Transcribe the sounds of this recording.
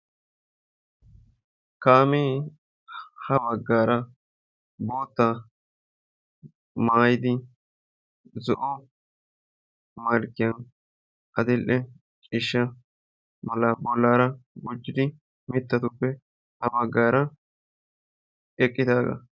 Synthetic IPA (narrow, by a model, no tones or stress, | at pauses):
kaːmeː | hɐbɐɡːaːɾɐ | boːt̪ːa | maːjɪd̪ɪ | zɔʔɔ | mɐɾkːɪjɐn | ʔɐd̪ɪlʔɛ | t͡ʃʼɪʃːɐ | mɐlːɐbɔlːaːɾɐbʊd͡ʒːɪd̪ɪ | mɪt̪ːɐt̪ʊpːɛ | hɐbɐɡːaːɾɐ | ɛkʼːɪd̪aːɡɐ̰